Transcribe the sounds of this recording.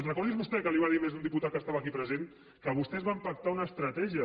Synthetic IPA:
zrəkɔɾðizβust̪ɛkəliβaðimezund̪iput̪at̪kəst̪aβəːkipɾəzen | kəβust̪ɛzβampak̚t̪aunəːst̪ɾɐt̪ɛʒiə

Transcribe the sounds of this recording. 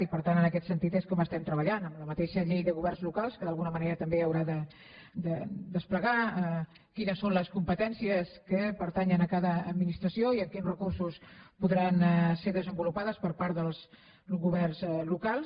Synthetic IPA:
ipəɾt̪anənəkɛt̪sənt̪it̪eskɔməst̪ɛmt̪ɾəβəʎanəmləmət̪eʃəʎejðəɣuβɛrnzlukalˠskəðəlˠɣunəməneɾət̪əmbeəwɾaðə | d̪əd̪əspləɣaə | kinəsːonləskumpət̪ɛnsiəskəpəɾt̪aɲənəkaðəːd̪minist̪ɾəsioiəŋkinrəkursuspuðɾanseɾðəzəmbulupaðəspəɾpaɾt̪ðəlˠz | ɣuβɛrnzlukalˠ

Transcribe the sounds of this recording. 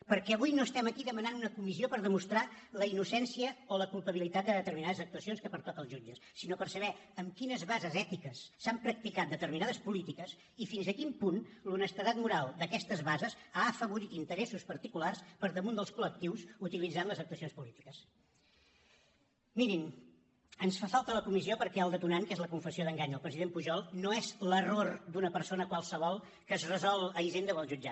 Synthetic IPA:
pəɾkɛəβujnoəst̪ɛməkiðəmənanunəkumiziopəɾðəmust̪ɾaləinusɛnsiəoləkulˠpəβ̞ilit̪at̪̚d̪əðət̪əɾminaðəzək̚t̪uəsionskəpəɾt̪ɔt̪əlˠʒud͡ʒəsːinopərsəβɛəmkinəzβazəzɛt̪ikəsːampɾək̚t̪ikat̪̚d̪ət̪əɾminaðəspulit̪ikəs | ifinzəkimpunlunəst̪əðat̪̚muɾalˠd̪əkɛst̪əzβazəsaəfəβuɾit̪int̪əɾesuspəɾt̪ikularspəɾðəmund̪əlˠskulək̚t̪iwsut̪ilid͡zanləzəp̚t̪uəsionspulit̪i̥kəs | minim | ənsfafalˠt̪ələkumiziopəɾkɛəlˠd̪ət̪unaŋkezləkuɱfəsioðəŋɡaɲəlˠpɾəziðempuʒɔlˠnoezlərord̪unəpəɾsonəkwalˠsəβ̞ɔlˠ | kəzrəzɔlˠəiʒend̪əβəlˠʒud͡ʒa̰

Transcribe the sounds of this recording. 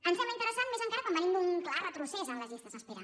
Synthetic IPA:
ənsfɛməint̪əɾəsanmezəŋkaɾəkɔmbənind̪unklarət̪ɾusɛzənləzist̪əzəspiɾa̰n

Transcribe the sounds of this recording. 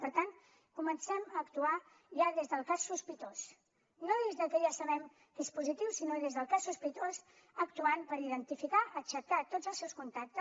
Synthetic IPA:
pəɾt̪an | kumənsɛməːkt̪ua | ʒaðezðəlˠkasːuspit̪os | noðezðəkəʒasəβɛm | kespuzit̪iwsinoðezðəlˠkasːuspit̪oz | əkt̪uanpəɾiðənt̪ifikaʔət͡ʃəkat̪od͡zəlˠsɛwskunt̪ak̚t̪ə

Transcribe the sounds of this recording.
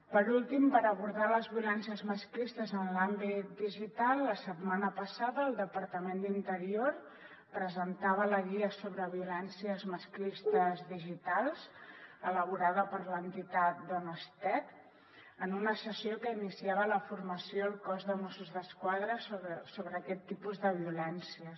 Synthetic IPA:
pəɾulˠt̪impəɾəβuɾðaləzβiulɛnsiəzməsklist̪əzənlambit̪̚d̪iʒit̪alˠːəsət̪manəpəsaðəːlˠd̪əpəɾt̪əmend̪int̪əɾioɾ | pɾəzənt̪aβələɣiəsoβɾəβiulɛnsiəzməsklist̪əzðiʒit̪alˠzələβuɾaðəpəɾlənt̪it̪at̪̚d̪ɔnəst̪ɛt̪ | ənunəsəsiokəinisiaβələfuɾməsioəlˠkɔzðəmɔsuzðəskwaðɾəsoβəsoβɾəːkɛt̪ːipuzðəβ̞iulɛnsiə

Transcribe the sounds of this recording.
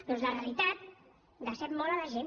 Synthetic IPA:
nɔzləreəlit̪at̪̚ | d̪əsɛtmɔlaləʒen

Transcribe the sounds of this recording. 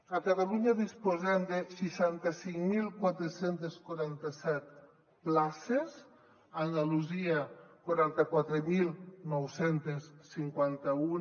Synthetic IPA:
akat̪aluɲaðispozɛmd̪esiʃant̪asiŋmilˠkwat̪ɾesent̪eskwaɾant̪asɛt̪̚ | plases | and̪aluziakwaɾant̪akwat̪ɾemilˠnɔwsent̪esːiŋkwant̪au

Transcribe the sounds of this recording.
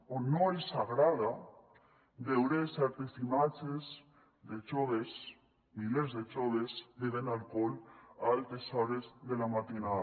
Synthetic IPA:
onoesaɣɾaða | d̪ewɾesɛɾt̪esimat͡ʃez | d̪et͡ʃoðes | milezðet͡ʃoðesd̪eðenalkolalt̪esaɾezðelamat̪ina

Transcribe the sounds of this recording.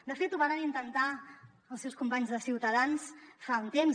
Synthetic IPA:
d̪əfet̪uβanənint̪ənt̪a | əlˠsɛwskumpaɲzðəsiwt̪əðansfaunt̪emz

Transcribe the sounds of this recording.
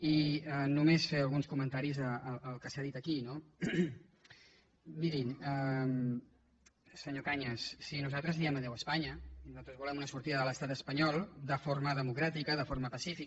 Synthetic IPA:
iənumesfeəlˠɣunskumənt̪aɾizəːləlˠkəsaðit̪əkino | miɾinəm | səɲokaɲəsːinuzalˠt̪ɾəzniɛməðɛwəspaɲəinuzat̪ɾzβulɛmunəsuɾt̪iðəðələst̪at̪əspəɲɔlˠd̪əfoɾməðəmukɾat̪ikəðəfoɾməpəsifi

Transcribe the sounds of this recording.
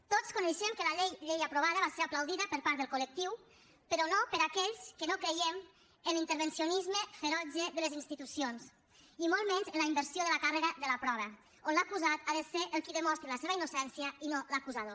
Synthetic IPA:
t̪ot͡skuneʃemkəlaʎejʎejapɾoβaðəβaseɾaplawðiðəpəɾpaɾt̪ðəlˠkulək̚t̪iw | pəɾɔnopəɾakɛʎskənokɾejem | ənlint̪əɾβensionizməfeɾɔd͡ʒeðəlezinst̪it̪usions | imɔlˠmɛnzənlaimbəɾsjoðələkareɣəðələpɾɔβə | onlakuzat̪aðəseɾʔəlˠkiðəmɔst̪ɾeləseβəinusɛnsjəinoləkuzaðo

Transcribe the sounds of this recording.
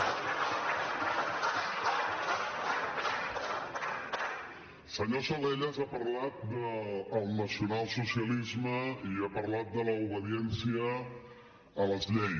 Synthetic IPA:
səɲosəleʎəzapəɾlat̪̚d̪əːlˠnəsiunalˠsusiəlizməiapəɾlat̪̚d̪ələuβ̞əðiɛnsiəː | ləzʎɛj

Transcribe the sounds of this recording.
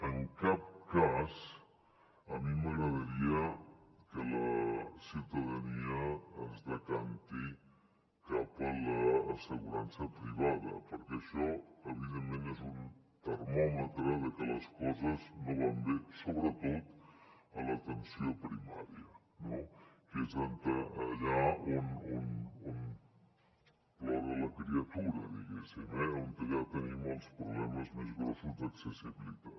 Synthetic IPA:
əŋkap̚kaz | əmiməɣɾəðəɾiəkələsiwt̪əðəniəːzðəkant̪i | kapələːsəɣuɾansəpɾiβ̞aðə̰pəɾkɛəʃɔəβiðemːẽnezun | t̪əɾmɔmət̪ɾəðəkələskɔzəznoβamb̪esoβɾət̪ot̪ələt̪ənsiopɾima̰ɾjə | nokezant̪əɐʎaununun | lɔðələkɾiɐt̪uɾɐ̰ðḭɣɛsimɛoŋk̪əʎat̪ənimolˠspɾoβlɛməzmezɣɾosuzd̪əksəsiβilit̪at̪

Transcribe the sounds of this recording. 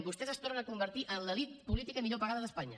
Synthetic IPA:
bust̪ɛzəst̪ornənəkumbəɾt̪iʔənləlit̪̚pulit̪ikəmiʎopəɣaðəðəspaɲə

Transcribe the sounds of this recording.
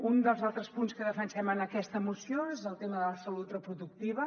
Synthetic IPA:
und̪əlˠzalˠt̪ɾəspunskəðəfənsɛmənəkɛst̪əmusioezəlˠt̪eməðələsəlut̪rəpɾuðuk̚t̪iβ̞ə

